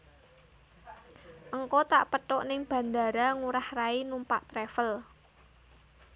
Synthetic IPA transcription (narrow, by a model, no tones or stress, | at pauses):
ʔəŋkɔt̪a̰ʔpət̪ɔʔnɪŋb̥ä̤nda̤ɾaŋuɾahrainumpaʔt̪ɾefəl